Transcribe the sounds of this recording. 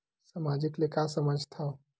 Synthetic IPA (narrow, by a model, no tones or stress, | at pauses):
samad͡ʒiklekasəməd͡ʒʱt̪ʰaw